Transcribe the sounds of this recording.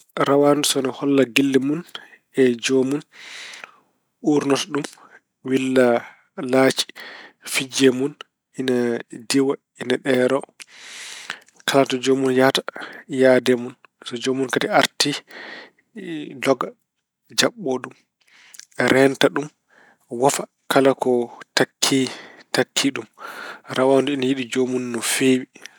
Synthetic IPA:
ɾawandusɔnɔhɔlːaɡilːimun | ɛd͡ʒomun | uɾnɔtɗum | wilːa | laːt͡ʃi̥fid͡ʒɛmun | ʔinadiwa | inaɗɛːɾɔ | kʰalatɔd͡ʒomunjatḁjaːdɛmunsɔd͡ʒomːunkatiaɾti | dɔɡa | d͡ʒaɓːoɗum | ɾɛntaɗum | wafa | kalakɔtakʰːitakʰːiɗumɾawanduinajiɗid͡ʒomunːɔfewi

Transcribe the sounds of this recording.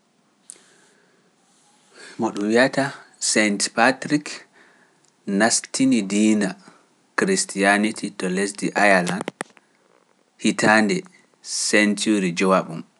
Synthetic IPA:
mɔɗumwiatasɛntpatɾik | nastʰinidiːna | kɾistijanitʰitɔlesdiʔajaland | hitʰaːndɛ | sɛntuɾid͡ʒɔwaɓum

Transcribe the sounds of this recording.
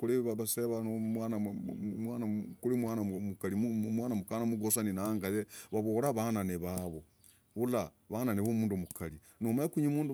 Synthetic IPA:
kuliββaseβanomwanamwanakulimwanamukaliumwaːnamukanamuɡosaninaːŋɡajeβaβoːɾaβananeβaβo | βula | βananeβomuːndomukali | nomaekuɲimuːndu

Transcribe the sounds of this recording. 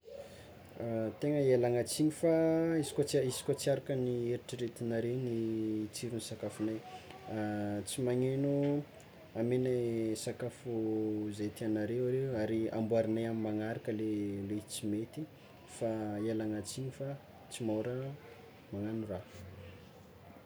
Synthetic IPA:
t̪eŋəielaŋat͡siɲifaisi̥kʲot͡saisi̥kʲot͡siaɾakənieɾiʈ͡ʂiɾet̪inaɾenit͡siɾunisakafunaj | t͡simaɲenu | amenesakafuzet̪ianaɾeaɾewaɾia̰mbuaɾinajamimaŋaɾakəlelet͡simet̪i | faelaŋat͡siɲifa | t͡simoɾə | maŋanuraf

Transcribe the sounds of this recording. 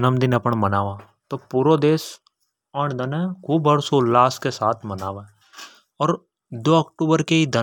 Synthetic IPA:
nəmd̪ɪnɐpəɳmɐnaːʋã | t̪opuːɾod̪eːs | əɳd̪ɐnɛ̃kʰuːbɐɾsolaːskesaːt̪ʰmɐnaːʋẽ | ɔːɾ | d̪oːɐkʈuːbəɾkeid̪ə

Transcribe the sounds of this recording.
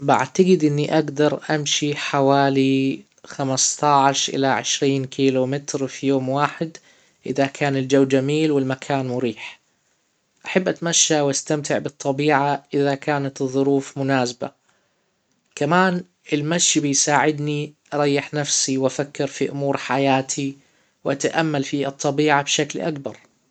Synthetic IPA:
bɪʔa̰t̪aɡɪd̪ʔɪnːiʔaɡd̪ɑɾˤʔamʃiħawaːli | xamast̪ˤɑʕʃʔɪ̰laʕɪ̰ʃɾiːnkʰiːlumɪt̪ɾfijoːmwaːħɪd̪ | ʔɪðakʰaːnɪld͡ʒawːd͡ʒamiːlwɪlmakʰaːnmʊɾiːħ | ʔaħabːʔat̪maʃːawʔast̪amt̪ɪʕbɨt̪ˤːɑbiːʕaʔɪðakaːnat̪ɨðˤːʊɾuːfmʊnaːsba̰ | kamaːn | ʔɪlmaʃːbɪjsaːʕɪd̪niʔɑɾˤɑjːɪħnafsiwʔafakːɪɾfiʔʊmuːɾħajaːt̪ʰi | wʔat̪aʔamːalfiːɨt̪ˤːɑbiːʕabʃaklʔa̰kbɑɾˤ

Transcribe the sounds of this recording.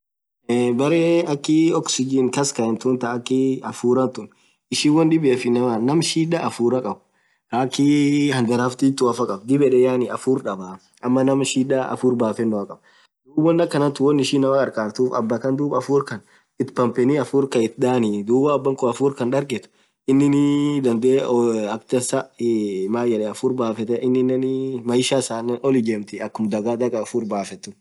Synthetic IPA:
bɐɾeːɐkːɪɔksɪd͡ʒɪnkɐskɐɛnt̪ʊnt̪ɐːkːɪɐfuːɾɐnt̪ʊn | ɪʃiːwɔnd̪ɪbefɪnɐmanɐmʃiːᶑɐʔːfuːɾɐkʼɐbʊ | ɾaːkːihɐnd̪ɐɾaft̪iːt̪ːʊɐfɐkʼɐb̚d̪ɪbɛᶑɛjaːnɪɐfuːɾᶑɐba | ʔɐmːɐnɐmʃiːᶑɐɐ̰fuːɾbaːfɛnːʊɐkʼɐb | d̪uːbɔnːɐkːɐnɐt̪ːʊwɔnːɪʃinːɐmakʼɐɾkʼaːɾt̪uːfɐ̰bːɐkɐnd̪uːbɐfuːɾkɐn | ɪt̪pɐmpɛniɐfuːɾkɐɪt̪̚ᶑ̪aːnɪd̪uːbɐːbːɐŋkʊɐfuːɾkɐnᶑɐɾɡɛt̪ʊ̥ | ɪnːɪnɪd̪ɐnd̪eːɐkt̪ɐsɐmaːjɐᶑɛɐfuːɾbaːfɛt̪ɛʔɪnːɪnːɐnɪmɐjɪʃaːsaːnɔlɪd͡ʒeːmt̪ɪɐkːʊmd̪ɐɡaːd̪ɐkʼɐfuːɾbaːfɛt̪ːʊ

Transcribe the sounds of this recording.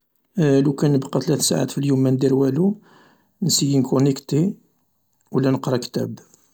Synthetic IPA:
lukænəbqɑt̪læt̪sa̰ʕa̰t̪filjumːænd̪iɾwælu | nsijinkunəkt̪i | wlænəqɾˤɑkt̪æ̰b

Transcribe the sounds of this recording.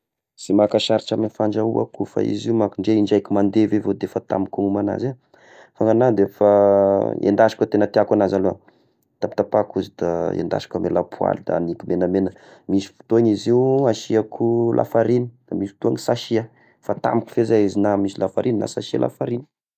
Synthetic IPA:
z̥emakaʃaɾiʈ͡ʂaminfaɳɖ͡ʐaua̰kufa̰ḭziumakuɳɖ͡ʐeiɳɖ͡ʐajkumand̪evevod̪efət̪a̰mikuŋumana̰ze | faŋɡanad̪efa | ḛnd̪aʃḁkʲat̪enət̪iakanazalo̰ | t̪ap̚t̪apakuzid̪̥aḛnd̪a̰ʃḁkʲamelapua̰lid̪a̰nikumʔenəmenə | misi̥fu̥t̪oɲiziuaʃiakʰulʔa̰faɾinid̪̥amisi̥t̪uaŋisaʃiə | fat̪a̰mikʲu̥fezaizinamisilafaɾʔinina̰saʃia̰lʔa̰faɾini̥

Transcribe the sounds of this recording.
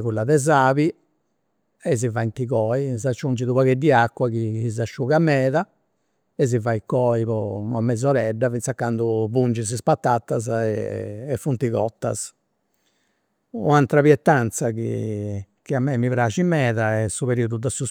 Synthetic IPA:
ɣulːaðɛzaːβi | ɛz̬ivaint̪iɣɔːizat͡ʃːund͡ʒiðuβaɣɛd̪ːiakːwakiiz̬aʃːuɣamɛːða | ɛz̬ːivajkɔːiβɔnamːɛd̪zɔɾɛɖːavint̪sakːand̪uβund͡ʒis̬ispat̪ːat̪ːaz̬ɛ̰ːfunt̪iɣɔ̰t̪ːa̰s | ṵant̪ɾaβjɛt̪ːant̪saɣḭ | kiamːɛmːiβɾaːʃimɛːðaɛsːuβeɾiːuðud̪asus

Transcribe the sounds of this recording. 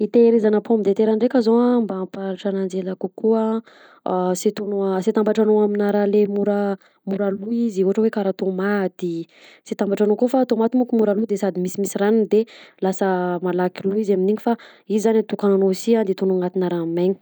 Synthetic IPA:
it̪eɾizanapʰomid̪et̪eɾanɖ͡ʐekʲazoambampaɾʈ͡ʂanand͡zelakukuə | set̪onoaset̪ambaʈ͡ʂanoaminaɾalemuɾə | muɾaluiziuɦaʈ͡ʂəwekaɾat̪omat̪i | sit̪ambaʈ͡ʂanokofat̪omat̪imukumuɾalud̪esad̪imisimisiɾanind̪elasəmalakiluizaminiɲifa | izizanat̪ukananosiand̪et̪onuŋat̪inaɾameɲi̥

